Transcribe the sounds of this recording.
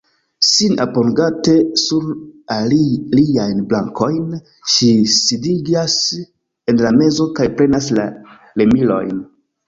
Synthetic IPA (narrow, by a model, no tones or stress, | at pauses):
sina̰poŋɡate̞suɾaliliajnblaŋko̞jn | ʃisidiɡas | e̞nlame̞zo̞kajpɾe̞nasla̰ | le̞milo̞̰jn